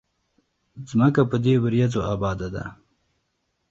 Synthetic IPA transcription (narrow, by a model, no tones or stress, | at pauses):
zməkapəd̪ewəɾjazoabɑːd̪ad̪a̰